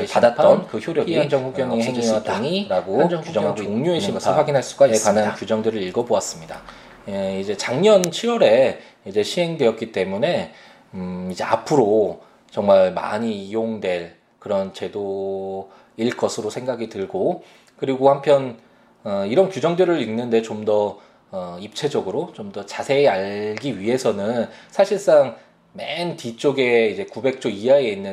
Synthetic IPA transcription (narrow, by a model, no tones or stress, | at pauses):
eadat̚t͈ʌnkɯçjoɾjʌɡiand͡ʑʌŋhuɡjʌnieŋwataŋiɾaɡokud͡ʑʌŋaɡokoŋɲuɦeɕʰinɡʌɯɭɸwaɡinɦaɭs͈uɡaid͡ʑekanankjud͡ʑʌŋdɯɾɯɾiɭɡʌboas͈ɯmɲida̰ | eid͡ʑe̞t͡ɕaŋɲʌnt͡ɕʰiɾwʌɾe̞ | id͡ʑe̞ɕʰiɦe̞ŋdwe̞jʌt̚k͈it͈e̞mune̞ | id͡ʑe̞a̰pʰɯɾo | t͡ɕʌŋmaɭma̰ɲijoŋdwe̞ɭ | kɯɾʌnt͡ɕe̞do | iɭk͈ʌsʰɯɾosʰe̞ŋɡaɡitɯɭɡo | kɯɾiɡohampʰjʌn | ʌiɾʌnkjud͡ʑʌŋdɯɾɯɭinːɯnde̞t͡ɕomdʌ | ʌip̚t͡ɕʰe̞d͡ʑʌɡɯɾot͡ɕomdʌt͡ɕasʰe̞ːaɭɡiɥiɦe̞sʰʌnɯnsʰaɕʰiɭs͈aŋ | mentit͡ɕ͈oɡe̞id͡ʑe̞kube̞k̚t͡ɕ͈oijaeinːɯ